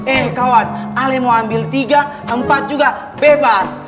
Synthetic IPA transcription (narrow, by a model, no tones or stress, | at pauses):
ɛhkawanalɛmoambilt̪iɡa | əmpat̪̚d͡ʒuɡa | bɛbas